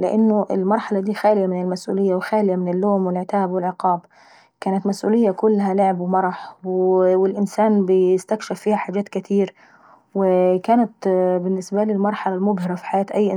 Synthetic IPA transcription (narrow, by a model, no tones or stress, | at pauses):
lɪʔanːʊʔɪlmɑɾˤħɑlad̪iːxaːlɪjamɪnɪlmasʔṵːlɪjːawɪxaːlɪjamɪnɪlːoːmwɪlʕɪt̪aːbwɪlʕɪqɑːb | kaːnat̪masʔṵːlɪjːakʊlːɦalʊʕɪbwɪmɑɾˤɑħwwɪlʔɪnsaːnbɪjɪst̪akʃafːiːhaħaːd͡ʒaːt̪kɪt̪ʰiːɾ | wɪkaːnat̪bɪnːɪsbalɪlmɑɾˤħɑlalmʊbhɪɾˤɑfi̥ħajaːt̪ʔajːʔ